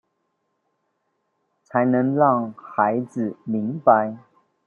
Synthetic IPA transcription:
t͡sʰa˧˥ɪnɤ˧˥ŋɻɑ˥˩ŋxa˧˥ɪd͡zɹ̩˨˩mi˨˧˥ŋpa˧ɪ

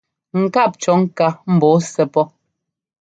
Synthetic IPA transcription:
ŋ̩˨ka˦˨p̚t͡ʃɔ˨˦ŋ̩˦ka˦m̩˨bɔ˨˦sɛ˨pɔ˦

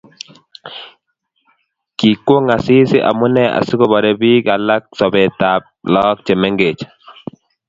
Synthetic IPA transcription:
ki˨kwo˦ŋa˨sɪ˦sɪ˦ʔa̰˨mʊ˦nɛ˦a̰˨si˦ko˦bɔ˨ɾɛ˦bi˦ka˨la˦k̚sɔ˨be˨ta˨p̚lɔ˦k̚t͡ʃe˨mɛ˦ŋɡe˨t͡ʃ

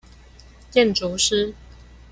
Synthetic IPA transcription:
jɛ˥˨nʈ͡ʂu˨˦ʂɻ̩˦

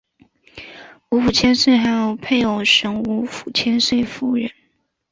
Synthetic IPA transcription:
u˧˥fu˨˩t͡ɕʰjɛ˥nswe˥˩ɪxa˧˥ɪjo˨˩ʊpʰe˥˩ɪjo˨˩ʊʂɤ˧˥ŋu˧˥fu̥˨˩t͡ɕʰjɛ˥nswe˥˧ɪfu˥˩ɻə˧˥n

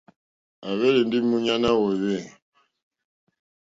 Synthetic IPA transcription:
a˨βɛ˦ɾi˨ndi˦mu˦ɲa˦na˦wɛ˨we˦˨

